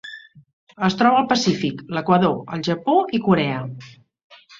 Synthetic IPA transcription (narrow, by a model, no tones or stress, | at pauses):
əst̪ɾɔβəːlˠpəsifikləkwəðoəlˠʒəpoikuɾɛə